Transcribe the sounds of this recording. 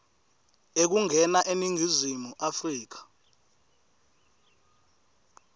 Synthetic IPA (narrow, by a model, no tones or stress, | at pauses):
ek̬uŋʱɛnaʔeniŋʱizimuʔafriːk̬ḁ